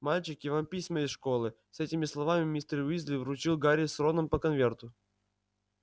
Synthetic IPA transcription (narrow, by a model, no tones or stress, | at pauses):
malʲt͡ɕɪkjɪvampʲisʲməɪsʂkolˠɨ | sɛtʲɪmʲɪslˠɐvamʲɪmʲist̪ərʲizʲlʲɪvɾʊt͡ɕilˠɡaɾʲɪsronəmpəkɐnvʲe̞rt̪ʊ